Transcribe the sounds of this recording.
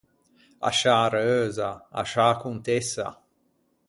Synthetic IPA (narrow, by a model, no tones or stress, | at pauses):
a̰ʃaɾøːzaa̰ʃaːkunt̪esa̰